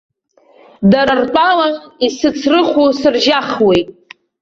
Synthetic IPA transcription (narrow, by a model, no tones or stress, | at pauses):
daɾarpʷʼalanisɨt͡sʰrɨχʷusɨrʒaχwejtʼ